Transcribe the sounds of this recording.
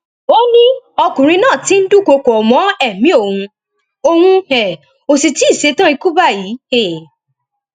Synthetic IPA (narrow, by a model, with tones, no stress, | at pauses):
o˦nĩ˦ɔ˧kũ˨ɾ̃ĩ˧nãː˦˨ti˨˦n̩˦du˦˨ko˧kɔ˨ɔ˨mɔ̃˨˦ɛ˦˨mĩ˨˦o˦˨hũ˧ | o˧hũ˧hɛ˨ | o˨si˨ti˦˨se˧˦tã˦i˧ku˦ba˦˨ji˨˦hɛ˨